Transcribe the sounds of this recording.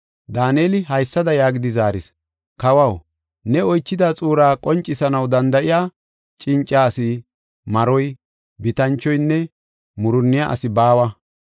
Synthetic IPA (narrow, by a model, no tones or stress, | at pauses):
d̪aːneːlɪɦɐjsːɐd̪ɐjaːɡɪd̪ɪzaːɾɪs | kɐwɐw | nɛɔjt͡ʃːɪd̪aːt͡sʼuːɾaːkʼɔnt͡ʃʼːɪsɐnɐwd̪ɐnd̪ɐʔɪjaː | t͡ʃʼɪnt͡ʃʼːaːsɪ | mɐɾɔj | bɪt̪ɐnt͡ʃːɔjnːɛ | mʊɾʊnːɪjaʔɐ̰sɪbaːwɐ